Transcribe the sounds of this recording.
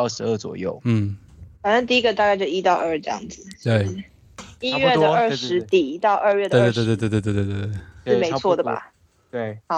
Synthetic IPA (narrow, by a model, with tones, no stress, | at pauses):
ʂɻ̩˧˥ə˥˩t͡swɔ̰˨˩jo˥˩ʊn̩˥˩fa˨˩nə˥˧t̪i˥˩i˦˥ɡə˨t̪a˥˧ka˥˧ɪt͡ɕo˥˧˩i˥t̪ɑ˥˧ʊʔə˞˥˩ʈ͡ʂɤ˥˧jɑ̰˥˩ŋd͡zɹ̩˨˩˥ | i˥ɥɛ˥˧ə˨ə˞˥˩ʂɻ̩˧˦t̪i˨˩t̪ɑ˥˧ʊʔə˞˥˧ɥɛ˥˧d̪e˥˧˥t̪wt̪t̪̬e˥˧t̪̬t̪̬ːt̪̬t̪e˥˩ʂɻ̩˥˩me˧˥ɪt͡sʰwɔ˥˩d̪ə˩ba̰˩ | e˥˩hɑ˨˦